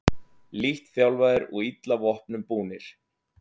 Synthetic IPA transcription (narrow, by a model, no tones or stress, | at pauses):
liht̪θjawlvaːjðɪɾɔɣit̪lavɔhpnʏmpuːnɪɾ̥